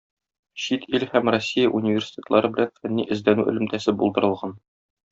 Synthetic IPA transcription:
ɕit̪ʰilhæmrosʲːijaʔunʲivʲersʲi̥t̪ʲet̪lˠɑɾɤbɘ̆lænfænːiʔɘ̆zd̪ænʉʔɘ̆lɘ̆mt̪æsɘbulˠd̪ɤ̆ɾɤ̆lˠʁɑn

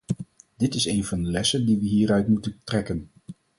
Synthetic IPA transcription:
d̥ɪtɪsejnvɑndəlɛsəndiʋəɦiːɾœɥtmutəntrɛkən

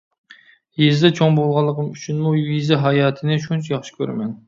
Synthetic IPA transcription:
jezd̪ɛt͡ʃʰoŋbolˠʁɑlˠːəqəmyt͡ʃʰynmujizɛɦɑjɑːt̪ʰɨnɪʃunt͡ʃʰɛjɑχʃi̥kʲʰø̰ɾmɛn

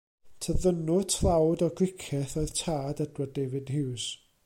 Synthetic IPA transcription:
tʰəðənʊtʰlˠawdɔɡlɪkʰɛθoɨð̥tʰaːdədwədeːvɪdhɪws

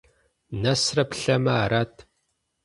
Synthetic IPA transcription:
nɐsrɐpɬɐmɐːɾatʰ

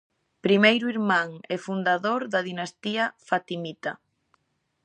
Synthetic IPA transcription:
pɾimejɾuiɾmaŋɛfund̪aðoɾðɐðinast̪iɐfat̪imit̪a

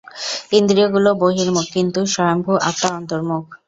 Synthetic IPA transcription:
ind̪ɾioɡuloboɦiɾmukːint̪uʃɔjombʱuʔa̰t̪ːaɔnt̪oɾmukʰ

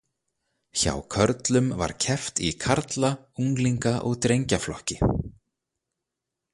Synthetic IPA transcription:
ça̰wkʰœɾt̪lʏmva̰ɾ̥cʰɛft̪ḭkʰaɾt̪la | uŋkliŋkaʔɔɣt̪ɾejɲcaflɔhcɪ

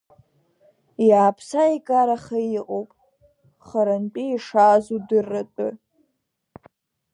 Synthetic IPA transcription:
jaːpʰsaikʼaɾaχajiqʼowpʼ | χaɾanpʼiiʂaːzudɨrːatʼʊ

